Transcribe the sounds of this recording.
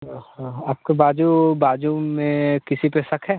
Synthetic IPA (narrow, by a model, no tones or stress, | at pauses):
aːp̚kebaːd͡ʒubaːd͡ʒumẽkɪsipesɐkʰɦɛː